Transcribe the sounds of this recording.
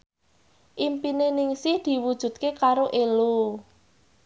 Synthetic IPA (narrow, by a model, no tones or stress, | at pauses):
ʔimpinenɪŋsid̪̥i̤wud̥ʒ̥ṳd̪̚kekaɾoʔelu